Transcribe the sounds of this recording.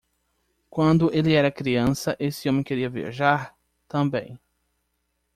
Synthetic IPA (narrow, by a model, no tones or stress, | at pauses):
kwɐ̃nd̪ʊʔelɪɛɾɐkɾiɐ̃sɐʔesɪõmẽj̃keɾiɐvia̰ʒaɾ | t̪ɐ̃bḛ̃j̃